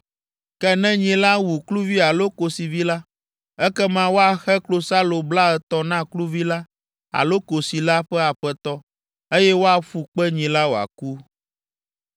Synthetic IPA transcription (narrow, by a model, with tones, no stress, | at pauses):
kɛ˦nɛ̃˦ɲĩ˨la˦wu˨klu˦vi˦a˨lo˦ko˨si˨vi˦la˦ | ɛ˦kɛ˦mã˦wo˦a˨xɛ˦klo˦sa˦lo˨bla˦ɛ˨t̪ɔ˦nã˦klu˦vi˦la˦ | a̰˨lo˦ko˨si˨la˦ɸɛ˦a˨ɸɛ˦t̪ɔ˦ | e˦jɛ˦wo˦a˨ɸu˨k͡pɛ˦ɲĩ˨la˦wo˨a̰˨ku˦